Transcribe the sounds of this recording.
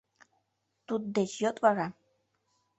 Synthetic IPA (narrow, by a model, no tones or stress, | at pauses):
t̪ut̪̚d̪et͡ɕjot̪vɑɾɑ